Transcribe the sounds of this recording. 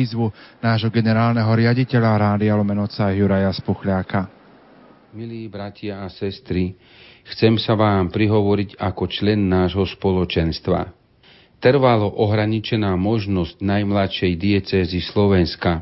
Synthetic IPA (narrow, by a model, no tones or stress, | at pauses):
iːzʋunaːʒɦɔɡɛnɛɾaːlnɛɦɔɾɪaɟicɛʎaɾaːd̪ialɔmɛnɔt͡sajuɾajaspuxlɪaka | miliːbɾacɪaːsɛst̪ɾi | xt͡sɛmsaʋaːmpɾiɦɔʋɔɾiɟakɔt͡ʃlɛnːaːʒɦɔspɔlɔt͡ʃɛnst̪ʋa̰ | t̪ɾ̩ʋalɔʔɔɦɾaɲit͡ʃɛnaːmɔʒnɔzɟnajmlat̪ʃɛjd̪iɛt͡sɛːzislɔʋɛnska